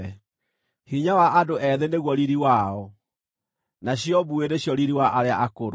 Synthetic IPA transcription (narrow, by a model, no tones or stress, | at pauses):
hiɲawaʔadoʔɛðeneɣwɔɾiɾiwaɔ | naɕjɔbueɾeɕjɔɾiɾiwaʔaɾeaʔakoɾo